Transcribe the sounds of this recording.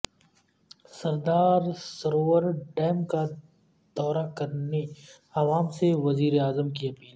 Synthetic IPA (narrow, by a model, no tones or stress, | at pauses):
sɐɾd̪aːɾsɐɾoːwəɾɖɛːmka | d̪̥ɔːɾakɐɾne | ɐʋaːmseʋɐziːɾeaːzəmkiɐpiːl